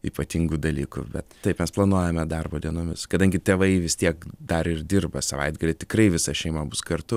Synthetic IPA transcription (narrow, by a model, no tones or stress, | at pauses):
ḭːpɐt̪ʲiŋɡuːd̪ɐlʲiːkʊ̰bʲɛt̪tːɐɪpmʲɛsplˠɐnuɔjɛmʲɛd̪ɐrboːdʲiɛnoːmʲɪskɐd̪ɐŋʲɡʲɪt̪ʲeːʋɐɪʋʲɪst̪ʲiɛkd̪ɐɾɪrd̪ʲɪrbɐsɐʋɐ̰ɪd̪̚ɡɐlʲɪt̪ʲɪkrɐɪʋʲɪsɐʃʲɛɪmɐbʊskɐrt̪ʊ